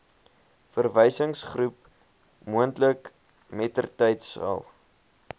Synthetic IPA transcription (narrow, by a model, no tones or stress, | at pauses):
fərvəjsəŋsχrup | muəntlək | mɛtərtəjtsɐ̰lˠ